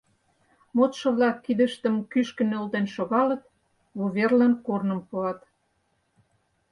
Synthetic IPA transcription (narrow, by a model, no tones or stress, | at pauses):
mot̪ʃɤ̆βlɑkːid̪ə̆ʃt̪ə̆mkyʃkə̆nølt̪enʃoɣɑlɤ̆t̪̚ | βoβerlænkornə̆mpuɑt̪